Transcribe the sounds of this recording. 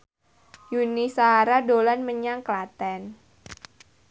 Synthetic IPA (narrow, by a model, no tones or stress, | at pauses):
junisaaɾadolanməɲaŋklat̪ɛn